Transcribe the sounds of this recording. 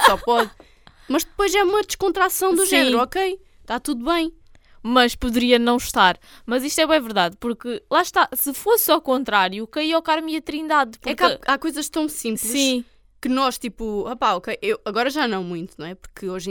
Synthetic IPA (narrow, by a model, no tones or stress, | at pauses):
sɔpɔð | mɐʒd̪ɨpojzɛumɐd̪ɨʃkõnt̪ɾasɐ̃w̃d̪uʒɛnɾuɔkej | t̪at̪uðuβɐ̃j̃ | mɐʃpuðɨɾiɐnɐ̃w̃ʃt̪aɾmɐziʃt̪wɛβẽɛ̃vɨɾðaðpuɾkɨlˠaʃt̪asɨfosawkõnt̪ɾaɾjukɐiɔwkaɾmiɐt̪ɾĩnd̪aðpuɛɾkaakojzɐʃt̪ɐ̃w̃sĩmplsˠsĩ | kɨnɔʃt̪ipuapaɔkejʔewɐɣɔɾɐʒanɐ̃w̃mũj̪̃t̪unɐ̃w̃ɛpu̥ɾkɨoʒ̃